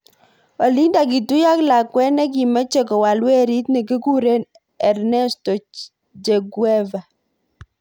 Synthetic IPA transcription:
ɔ˨li˦nda˨k̬i˨tu˦ja˦kla˨kwɛ˦nɛ˦k̬i˨mɛ˦t͡ʃɛ˨kɔ˨wa˨lwɛ˦ɾi˦tni˨ki˦ku˦ɾe˦n | ɛ˨ɾnɛ˦stɔ˨ | d͡ʒe˨ɡwɛ˦va˨

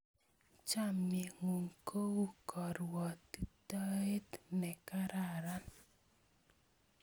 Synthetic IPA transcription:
t͡ʃa˦˨mɲe˨ŋu˨ŋkʰo˦u˦kʰɔ˨ɾwɔ˨t̪i˦ta˦e˦tnɛ˨ka˦ɾa˨ɾa˦n

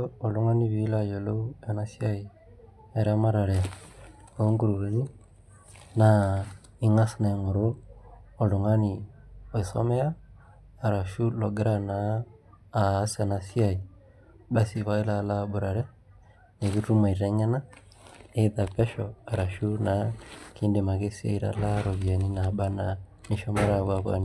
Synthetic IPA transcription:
ɔ˨lu˦ŋa˦ni˦βi˨˦la˦˨jɔ˨lo˦u˦a˨na˦si˦a˦i˨ | a˨ɾa˦ma˦ɾa˨ɾɛ˨ | o˨˦ŋɡu˦ɾu˨ɣa˨ni˦ | na˨ | i˦ŋa˦sna˨ŋo˨ɾoː˦˨ | lu˨ŋa˦ni˨o˨i˨sɔ̰˦mɛ˦aː˦˨ | ɾa˨ʃu˦lɔ˨ɡɛ˦ɾa˦naː˨˦˨ | sa˨na˨si˦a˨i˨ | ba˦si˨βa˦i˦la˦la˦bu˨ɾa˨ɾɛ˦ | ne˨βi˦tu˦ma˨i˨ɾɛ˦ɲɛ˦na˦ | ɛ˦ða˨pɛ˦ʃɔ˨a˨ɾa˨ʃu˦na˨ki˦nde˨ma˨ke˦si˦a̰˦i˦ɾa̰˨˦la˦ɾɔ˨βi˨a˨ni˦na˨ɓa˦na˨ni˨ʃɔ˦mɛ˦ɾa˦˨βwa˦βwa̰˦ni˨

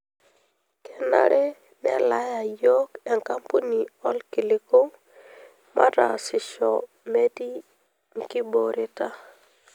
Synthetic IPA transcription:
ke˨na̰˦ɾʔɛ˦ | nɛ̰˨la˦ja˨jo˦kɛ˨ŋka˦mpu˦ni˨ɔ˦lki˨li˦ko˦ | mʔa˦ta˨sɪ˨ʃɔ̰˨ | me˦di˦ | ŋ˦ki˦bo˨ɾi˨ta˦

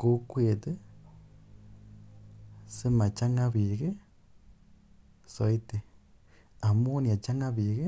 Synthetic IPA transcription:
ko˦kwe˨t̪ɨ˦ | si˦ma˨t͡ʃa˦ŋa˦βi˨ɣe˦ | so˨i˦t̪e˨ | a˨mu˦ni˨a˨t͡ʃa˦ŋa˦βiː˨ɣe˦

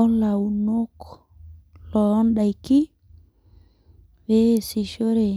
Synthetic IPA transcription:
ɔnla˨wuno˦k | lɔ˦nɗajki˦ | wesi˨ʃo˦ɾe˨

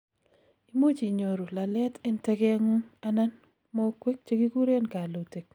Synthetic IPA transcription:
i˦mo˦t͡ʃi˨ɲo˨ɾu˨la˨lɛ˦tɪ˦ntɛ˦ke˦ŋu˦a˦na˦n | mo˦kwe˦k̚t͡ʃe˦ɡi˦ɡu˦ɾe˦nka˨lo˨te˨k̚

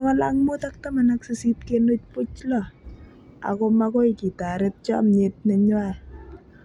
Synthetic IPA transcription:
ŋa˦laŋmo˦ta˦k̚ta˦ma˨na˦kse˦si˦t̚ke˦no˦t͡ʃ̚pʊ˦t͡ʃlɔ˨ | a̰˨ko˧mako˦i˨ki˨ta˨ɾɪ˦t̚t͡ʃɔ̰˦mɲe˨t̚ne˨ɲwa˦˨

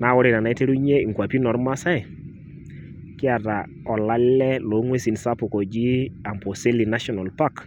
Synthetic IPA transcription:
na˨wɔ˦ɾe˨na˨na˨˦i˦te˦ɾu˦ɲe˦i˨ŋkwa˨pi˦nɔ˨ɾma˦sa˦ɛ˨ | kɪ˦a˨ta˨ | ɔ˨la˦lɛ˦lo˨˦ŋwe˦si˨nsa˦pʊ˨kɔ˨d͡ʒi˦a˨mpo˨se˦li˨na˦ʃɔ˨na˨lpa˦k

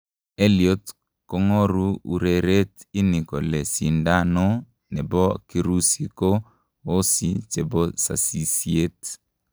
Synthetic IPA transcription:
e˦lio˦t | ko˨ŋo˦ɾu˦u˨ɾe˨ɾe˦ti˦ni˨kɔ˨lɛ˨si˨nda˦no˦ | nɛ˨bɔ˦ki˨ɾu˦si˨ko˦ | o˦si˨t͡ʃe˨bɔ˦sa̰˨si˨sie˦t

